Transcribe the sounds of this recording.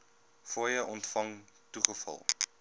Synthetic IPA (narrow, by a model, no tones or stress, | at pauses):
fɔjəʔɔntfɐŋ | tuχəfɐ̰lˠ